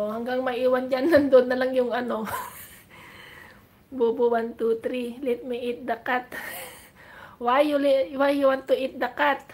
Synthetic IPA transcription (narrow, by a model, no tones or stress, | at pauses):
oɦaŋɡaŋmaiwand͡ʒanːand̪onːalaŋjʊŋano | bobuwant̪ut̪ɾilit̪̚meit̪̚dakat̪̚ | wajuliwajuwant̪uit̪̚dakat̪̚